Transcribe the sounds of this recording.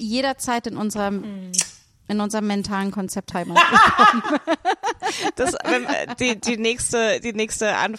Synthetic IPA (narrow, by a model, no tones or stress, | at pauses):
jeːɾɐt͡saɪtɪnʔʊnzəʁɐ | ʔɪnʊnzəʁəmːɛntʰaːlənkʰɔnt͡sɛp̚thaɪməkɔm | d̥asvɛnd̥iːdiːnɛːçstəd̥iːnɛːçstəʔa̰n